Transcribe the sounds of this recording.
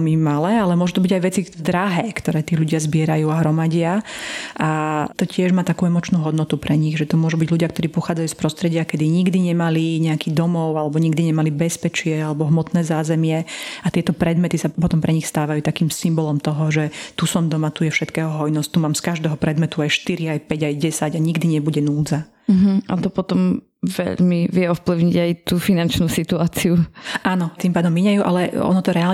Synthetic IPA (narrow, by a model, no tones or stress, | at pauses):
ɛlmimalɛːalɛmʊɔʒut̪ɔbiɟajʋɛt͡sid̪ɾaɦɛːkt̪ɔɾɛːt̪iːʎuɟɪazbɪɛɾajuːaɦɾɔmaɟɪaat̪ɔcɪɛʒmaːt̪akuɛmɔt͡ʃnuːɦɔd̪nɔt̪upɾɛɲiɣʒɛt̪ɔmʊɔʒubiɟʎuɟɪakt̪ɔɾiːpɔxaːd͡zajuːspɾɔst̪ɾɛɟɪakɛd̪iɲiɡd̪iɲɛmaliɲɛakid̪ɔmɔʊalɛbɔɲiɡd̪iɲɛmalibɛspɛt͡ʃɪɛalɛbɔɦmɔt̪nɛːzaːzɛmɪɛat̪ɪɛt̪ɔpɾɛd̪mɛt̪isapɔt̪ɔmpɾʔɛɲixst̪aːʋajuːt̪akiːmsimbɔlɔmt̪ɔɦɔʒɛt̪usɔmd̪ɔmat̪ujɛfʃɛt̪kɛːɦɔɦɔjnɔsct̪umaːmskaʒd̪ɛːɦɔpɾɛd̪mɛt̪uajʃt̪iɾiajpɛɟajɟɛsaɟaɲiɡd̪iɲɛbuɟɛnuːd͡za | ɦ̩a̰t̪ɔpɔt̪ɔm | ʋɛ̰ʎmiʋɪɛɔfpliʊɲiɟajt̪uːfinant͡ʃnuːsit̪uaːt͡siuʔanɔt̪impaːd̪ɔmːiɲajuːʔa̰lɛɔ̰nɔt̪ɔɾɛal